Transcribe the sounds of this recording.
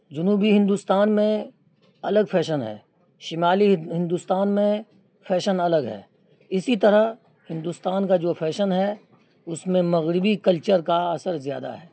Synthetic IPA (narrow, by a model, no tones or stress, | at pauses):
d͡ʒʊnuːbiɦɪ̃nd̪ust̪aːnmẽ | ɐləɡfʰɛːʃənɦɛ̰ː | ʃɪmaːliɦɪ̃nd̪ust̪aːnmẽ | fʰɛːʃənɐləɡɦɛ̰ː | ɪsit̪ɐɾə | hɪ̃nd̪ust̪aːnkad͡ʒoːpʰɛːʃənɦɛ | ʊsmẽmɐɣɾɪbikɐlt͡ʃəɾkaɐsəɾzja̰ːd̪a̰ɦɛː